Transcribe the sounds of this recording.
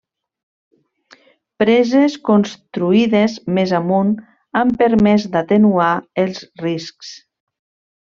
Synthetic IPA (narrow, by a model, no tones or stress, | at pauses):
pɾɛzeskonst̪ɾuiðezmezamun | ampəɾmɛzd̪at̪enuaelˠzrisks